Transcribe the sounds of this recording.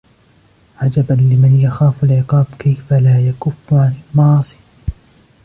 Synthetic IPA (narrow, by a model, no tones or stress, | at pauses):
ʕad͡ʒabanlɪmanjaxaːfalʕɪqɑːbkajfalaːjakʊfːʕanalmɑʕɑːsˤi̥ː